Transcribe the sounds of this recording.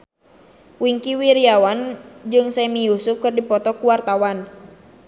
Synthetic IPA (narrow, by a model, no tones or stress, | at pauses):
wiŋkiwiɾiawand͡ʒɨŋsɛmijusufkɨrdipɔt̪ɔkuwart̪awan